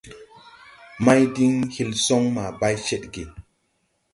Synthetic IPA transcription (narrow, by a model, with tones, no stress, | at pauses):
ma˦jdi˦ŋhi˦lso˦ŋma˨ba˦jt͡ʃe˦ɗɡe˨